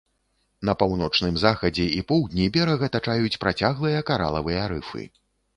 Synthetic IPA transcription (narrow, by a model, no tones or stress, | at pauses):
nɐpawnɔt͡ʂnɨmzaxɐd͡zʲɛipɔwd̪ʲnʲivʲɛɾɐɣɐt̪at͡ʂajut͡sʲpɾat͡sʲaɣlˠɨjɐkaɾa̰lˠɐvɨjɐɾɨ̰fɨ̰